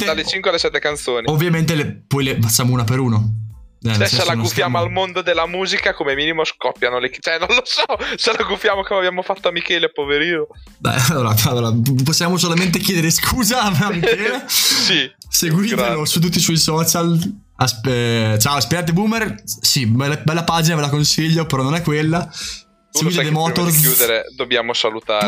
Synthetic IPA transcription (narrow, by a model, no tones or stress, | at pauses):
t̪ealet͡ʃiŋkwealesɛt̪ːekant̪soːniovːjament̪̬elepɔjlepat͡ʃːaːmouːnapeɾuːno | ɛɛsɛelaufjaːmoalmond̪od̪elːamuːzikakomemiːnimoskɔpːjanolekt͡ʃɛnonlosɔt͡ʃelaɡufjaːmokomabjaːmofat̪ːoamikɛːlepoveɾiːno | d̪a̰jalːoːɾaalːoːɾaposːjaːmos̬olament̪̬ekjeːd̪eɾeskʰuːzaamikeːlesiseɡwiːt̪elosut̪̬ːut̪ːisuisɔːt͡ʃal | asɛt͡ʃaːoaspeɡaːt̪̬ebumersibɛlbɛlːapaːd͡ʒinavelakonsiʎːopeɾɔnːonɛkːwelːa | seɡit̪d̪emɔːt̪orjud̪eɾed̪objaːmosalut̪a̰ːɾ